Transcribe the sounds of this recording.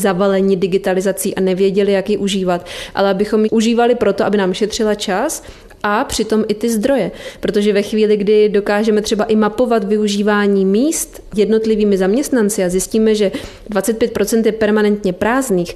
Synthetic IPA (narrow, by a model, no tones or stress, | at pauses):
zavalɛɲɪdɪɡɪt̪alɪzat͡siːʔanɛvjɛɟɛlɪjakjɪʔuʒiːvat̪ʔa̰lɛʔabɪxo̞mjʔuʒiːvalɪpɾo̞t̪o̞ʔabɪnaːmʃɛt̪r̝̥ɪlat͡ʃas | ʔapr̝̥ɪt̪o̞mʔɪt̪ɪzd̪ɾo̞jɛpɾo̞t̪oʒɛvɛxviːlɪɡdɪdo̞kaːʒɛmɛt̪r̥ɛbaʔɪmapo̞vat̪vɪuʒiːvaːɲiːmiːst̪ | jɛdno̞t̪lɪviːmɪzamɲɛst̪nant͡sɪazjɪsciːmɛʒɛ | dvat͡sɛt̪̚pjɛt̪̚pɾo̞t͡sɛnt̪jɛpɛɾmanɛnt̪ɲɛpɾaːzniːx